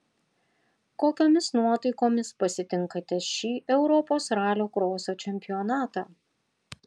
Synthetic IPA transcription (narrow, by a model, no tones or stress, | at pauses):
koːkʲoːmʲɪsnuɔt̪ɐɪkoːmʲɪspɐsʲɪt̪ʲɪŋˑkɐt̪ʲɛʃʲiːʔɛʊɾɔpoːsɾɑːlʲoːkɾoːsoːt͡ʃʲɛmʲpʲɪjɔnɑːt̪ɑː